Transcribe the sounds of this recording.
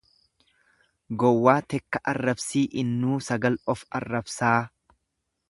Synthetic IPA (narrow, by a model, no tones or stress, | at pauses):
ɡɔwːaːt̪ɛkːɐʔɐrːɐbsiːʔɪnːuːsɐɡɐlɔfɐ̰rːɐbsaː